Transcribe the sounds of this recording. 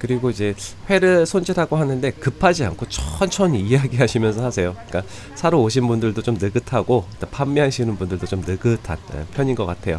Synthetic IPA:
kɯɾiɡoid͡ʑe̞ɸwe̞ɾɯɭsʰond͡ʑiɾaɡoɦanɯnde̞kɯpʰad͡ʑia̰nkʰot͡ɕʰʌ̥nt͡ɕʰʌnijaɡiɦaɕʰimjʌnsʰʌɦasʰe̞jok͈a | sʰaɾoːɕ̬ʰinbundɯɭdot͡ɕomnɯɡɯtʰaɡot͈opʰamːiɦaɕʰinɯnbundɯɭdot͡ɕomnɯɡɯtʰaḛpʰjʌɲinɡʌk͈atʰe̞jo

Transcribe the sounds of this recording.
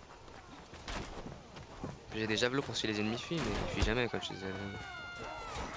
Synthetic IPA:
ʒed̪eʒavlopuʁsɥilezenmifimɛəsɥiʒamɛkɔmʃḛzɛlĩ

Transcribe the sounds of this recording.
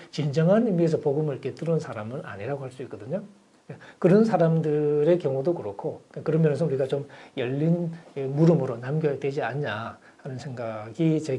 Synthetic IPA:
t͡ɕind͡ʑʌŋɦanimies̬ʰʌpoɡɯmɯɭket͈ɯɾɯnsʰaɾamɯna̰ɲiɾaɡohʰaɭs͈uik͈ʌdɯɲo | akɯɾʌnsʰaɾamdɯɾe̞kjʌŋodokɯɾokʰokakɯɾʌmjʌnesʰʌuɾiɡat͡ɕomjʌʎːinemuɾɯmɯɾonamɡjʌetwe̞d͡ʑiaɲɲa | hanɯnsʰe̞ŋɡaɡit͡ɕe

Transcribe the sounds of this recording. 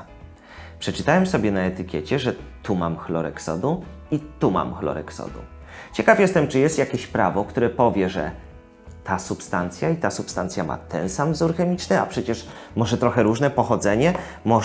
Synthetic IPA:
pʂɛt͡ʂɘt̪awɛmsɔbʲjɛnaɛt̪ɘkʲɛt͡ɕɛʐɛt̪umamxlɔɾɛ̰ksɔ̰d̪uit̪uma̰mxlɔ̰ɾɛ̰ksɔ̰d̪ṵ | t͡ɕɛkafjɛst̪ɛmt͡ʂɘjɛst̪jakʲeɕpɾavɔkt̪uɾɛpɔvʲjɛʐɛ̰ | t̪ʰasupst̪ant̪sʲjait̪asupst̪ant̪sʲjama̰t̪ɛnsamvzuɾxɛmʲit͡ʂnɘa̰pʂɛt͡ɕɛʂ | mɔʐɛt̪ɾɔxɛɾuʐnɛpɔxɔd̪zɛɲɛ | mɔ

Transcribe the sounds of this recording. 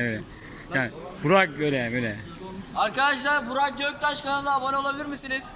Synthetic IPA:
bøjlʲɛ | jan | buɾak̚bøjlʲɛbøjlʲɛ | aɾkad̪aʃlˠaɾbuɾak̚ɟøc̚t̪aʃkaland̪ˠaabanɯo̞lˠabilʲiɾmisiniz̥

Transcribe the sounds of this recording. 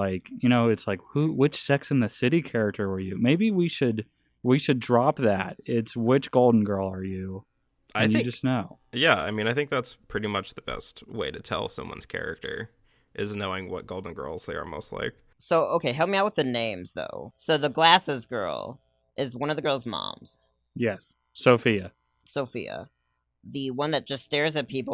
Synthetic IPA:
aɪkjɨɾ̃oʊɨtslaɪkhuwɪt͡ʃsɛksɨ̃n̩ðɨsɪɾikʰɛɹɨk̚tʰə˞ə˞jʉmeɪbiwiʃɨd | wiʃɨdɹɑp̚ðæ̰t̚ɪtswɪt͡ʃɡ̥oʊlˠdⁿn̩ɡɜ˞lˠə˞jʉ | aɪnθjɪ̃d͡ʒʌsⁿnoʊjæa̰ɪmĩñaɪθɪ̃ŋk̚ðætspʰɹ̥ɪɾimʌt͡ʃðəb̥ɛ̰st̚weɪɾɨtʰɛ̰lˠsʌ̰̃mwʌ̰̃nz̥kʰɛ̰ɹɪ̰k̚tʰə̰˞ | ʔɪznoʊɪ̃ŋwʌ̰t̚ɡ̥oʊlˠdⁿn̩ɡɜ̰˞lˠz̥ðeɪə̰˞mo̰ʊstˡla̰ɪk | soʊʔoʊkʰeɪɦɛl̚ˠmiaʊt̚wəðɨnẽɪ̃mz̥ðo̰ʊsoʊðəɡlæsɨzɡɜ̰˞lˠ | ʔɪzwʌ̃ñʌvðɨɡɜ˞lˠzmɑ̰̃mz̥ | jɛs | soʊfiɨ | soʊfḭɨ̰ | ðɨwʌ̃nðɨt̚d̥ʒ̥ʌststɛɹzɨt̚pʰip̩

